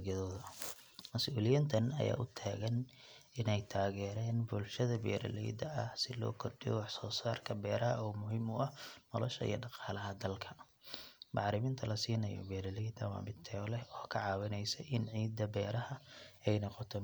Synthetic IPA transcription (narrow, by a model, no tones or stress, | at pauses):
ɐðɔːðɐ | mɐsʔuːlɪjɪnt̪ʰɐnɐ̰ja̰ːʔʊt̪ʰaːɣɐn | ɪnɛjt̪ʰaːɣɛːɾɛːnbʊlʃɐðɐbɛ̰ːɾɐ̰lɛ̰jd̪ɐɐhsɪlɔ̰ːkʰɔrɖɪjɔ̰wɑħsɔːsaːrkʰɐbɛːɾɐɦɐ̰ɔːmʊɦimʊɐhnɔlɔʃɐḭjɐ̰ɖɑqɑːlɐɦɐd̪ɐlkʰɐ̥ | mɑʕɾɪmɪːnt̪ʰɐlɐsiːnɐjɔ̰bɛːɾɐlɛjd̪ɐwɑ̰ːmɪt̪ʰɛlɛɔːkʰɐʕɑːwɐnɛjsɛʔɪnʕiːd̪ɐbɛːɾɐhɐɛjnɔqɔt̪ʰɔ